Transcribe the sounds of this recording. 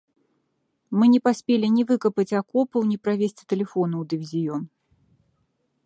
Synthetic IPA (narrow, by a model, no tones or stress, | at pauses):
mɨnʲɛpasʲpʲelʲinʲivɨkɐpɐt͡sʲakɔpɐwnʲipɾavʲesʲt͡sʲt̪ɛlʲɛfɔnɐwd̪ɨvʲizʲijɔn